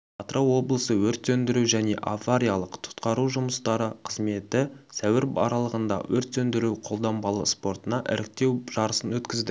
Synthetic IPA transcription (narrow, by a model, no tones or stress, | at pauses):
ɑt̪ɾɑwwo̞blˠəsəwɵɾt̪sɵnd̪ɪɾuwʒæne̞̰ʔavaɾʲijalˠəqt̪ʰʊ̥t̪qɑɾuʒʊməst̪ɑɾəqʰəzme̞t̪ɪsæwɪɾbɑ̰ɾɑlˠəʁənd̪ɑ̰wɵɾt̪sɵnd̪ɪɾuwqʰo̞lˠd̪ɑmbɑlˠə̰spo̞rt̪ənɑʔɪ̰ɾʔɪk̚t̪e̞wʒ̥ɑɾəsənwɵt̪kʲɪzd̪ɪ